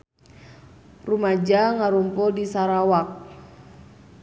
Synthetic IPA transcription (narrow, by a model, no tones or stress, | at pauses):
rumad͡ʒaŋaɾumpɔdisaɾawak̚